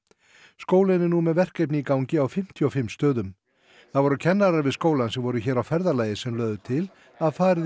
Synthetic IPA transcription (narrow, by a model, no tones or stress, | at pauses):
skoːwlɪnɪnumɛðvɛr̥kɛjpnɪikawɲcɪawfɪm̥t̪ʰjɔfɪmːst̪œːðʏm | θaðvɔɾʏcʰɛnːaɾaɾvɪðskoːwlansɛvɔɾʏçɛːɾawfɛɾðalaːjɪsɛmlœːɥðʏt̪ʰɪl | aðfaːɾɪ